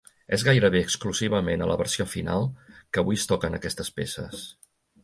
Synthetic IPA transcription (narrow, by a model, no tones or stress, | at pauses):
ɛzɣajɾəβ̞eəkskluziβ̞əmenələβərsiofina̰lˠkəβujəst̪ɔkənəkɛst̪əspḛsə̰s